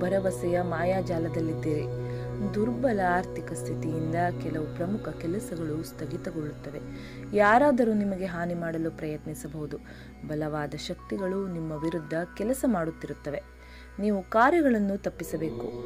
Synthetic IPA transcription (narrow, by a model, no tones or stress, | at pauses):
bɐɾɐʋɐsɐjɐmaːjaːd͡ʒaːlɐd̪ɐlːid̪ːiːɾid̪uɾbɐlɐaːɾt̪ʰikɐst̪ʰit̪ijind̪ɐkɛlɐʋupɾɐmukʰɐkɛlɐsɐɡɐɭust̪ʰɐɡit̪ɐɡoɭːut̪ːɐʋe̞ | jaːɾaːd̪ɐɾuːnimɐɡe̞ɦaːnimaːɽɐlupɾɐjɐt̪nisɐbɐɦud̪u | bɐlɐʋaːd̪ɐʃɐk̚t̪iɡɐɭunimːɐʋiɾud̪ʱːɐkɛlɐsɐmaːɽut̪ːiɾut̪ːɐʋe̞ | niːʋukaːɾjɐɡɐɭɐnːut̪ɐpːisɐbe̞ːku